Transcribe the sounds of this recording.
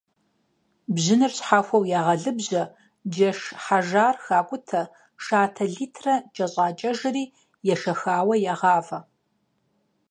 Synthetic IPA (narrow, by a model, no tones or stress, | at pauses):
bʑɪnɨrɕħaːfʷɐwjaːʁɐɮɨbʑɐ | d͡ʒɐʂħaʒaːrxaːkʷʼʊtʰɐ | ʂaːtʰɐɮiːtʰrɐt͡ʃʼɐɕʼaːt͡ʃʼɐʒɨriː | jɛʂɐxaːwɐjaʁɑːvɐ